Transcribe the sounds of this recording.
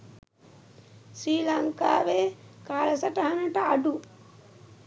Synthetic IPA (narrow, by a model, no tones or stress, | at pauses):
sɾiːlɐŋka̰ːʋeːkaːlɐsɐʈɐɦɐnɐʈɐɐɖu